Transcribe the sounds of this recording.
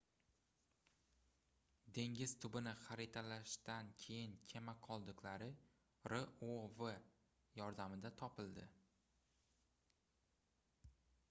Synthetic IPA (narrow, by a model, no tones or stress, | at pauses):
d̪e̞ŋɡʲɪz̥t̪ʰʊbɪnɪχaɾɪt̪ʰalaʃt̪ankʲʰe̞jɪnkʲʰemaqʰɒlˠd̪ɨqlaɾɪ | ɾɪovɪ | jɒɾd̪amɪd̪at̪ʰɒpɪld̪ɪ